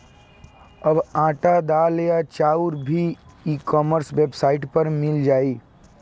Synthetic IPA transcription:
ɐbãːʈad̪aːlejat͡ʃaːʊɾbʱiiːkɔːməɾsʋeːbsaːɪʈpɐɾmɪld͡ʒaːiː

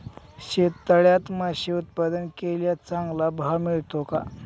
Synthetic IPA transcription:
ɕet̪ːəɭjat̪maɕiut̪̚pad̪ənkeljat͡saŋɡlabʱamiɭt̪oka̰

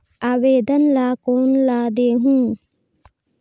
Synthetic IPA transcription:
aːʋeːd̪ənlaːkoːnlaːd̪eːɦũː

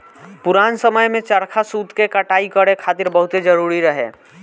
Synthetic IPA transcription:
pʊɾaːnsəməjmẽt͡ʃəɾkʰasuːd̪ʱkekəʈaːikəɽekʰaːt̪ɪɾbəɦʊt̪ed͡ʒəɾuɾiɾəɦḛ

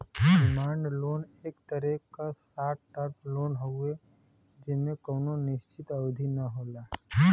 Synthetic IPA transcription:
ɖɪmaːɳɖloːneːkt̪əɾɛkkasaːʈ̚ʈəɾpʰloːnɦoe | d͡ʒɪsmẽkoːnonɪʃt͡ʃɪt̪ɐwd̪ʱinɐɦoːlaːɦ

